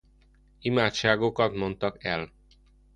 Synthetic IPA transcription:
imaːt̪ʃaːɡokɒt̪mo̞nt̪ɒkɛ̰l

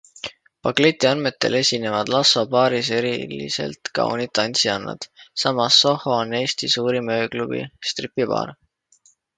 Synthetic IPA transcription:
pɑkle̞t̪ʲːˑiɑnme̞t̪ːˑe̞̰le̞sʲine̞vɑd̪̥lɑso̞pɑːɾis̬e̞ɾilḭse̞̰lt̪kɑ̰o̰nit̪ːɑnʲsiɑnːɑ̰d̪̥sɑmɑsːo̞ho̞one̞ːst̪isuːɾimø̞ːklub̥ḭst̪ripːˑipɑ̰ːɾ

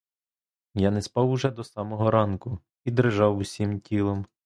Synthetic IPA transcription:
janɛspɑwʊʒɛd̪ɔsɑmɔɦɔɾɑnkʊ | id̪ɾeʒɑwusʲimtʲilˠɔm

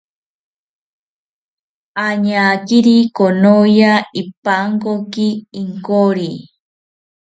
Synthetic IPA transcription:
aɲakiɾikonojaipaŋkokiːŋkoɾi

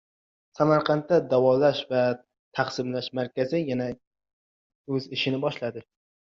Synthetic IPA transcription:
samaɾqʰɑnt̪ːad̪avɒlaʃva | t̪ʰaχsɪmlaʃmaɾkʲazɪjana | ɵzɪʃɪnɪbɒʃlad̪ɪ

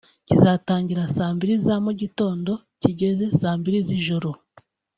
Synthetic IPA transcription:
cizataːɲɟiɾasaːmbiɾizamuɟito̞ːndo̞ | ciɟe̞ze̞saːmbiɾiziʒoɾo

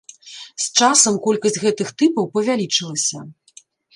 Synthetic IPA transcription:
st͡ʂasɐmkɔlʲkɐsʲɣɛt̪ɨxt̪ɨpɐwpɐvʲalʲit͡ʂɨlˠɐsʲɐ

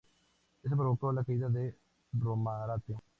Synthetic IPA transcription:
ɪs̬bəɾoːkoːlakiiːd̪aːd̪eː | bɾoːmãːɾaːt̪ːejõː

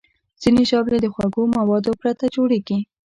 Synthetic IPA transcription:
z̥ineʒɑbled̪əxwaɡomawɑd̪opɾat̪ad͡ʒoɽeɡi

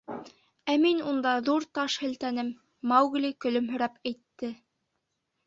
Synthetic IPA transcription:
æminund̪ɑðuɾt̪ɑʃhɘ̆lt̪ænɘmː | ɑwɡlʲikɵ̆lɵ̆mɦɵ̆ɾæpæjt̪ːɘ

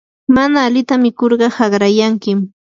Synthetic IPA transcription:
manaːlɪt̪amɪkoɾɢɑhɑɢɾajaŋkɪm

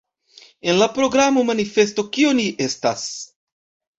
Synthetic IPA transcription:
e̞nlapɾo̞ɡɾamo̞manife̞sto̞kio̞niʔe̞stas

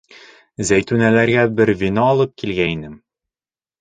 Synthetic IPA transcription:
zæjt̪ʉnælæɾɡæbɘɾvʲinɑɒlˠɤp̚kilɡæinɘm

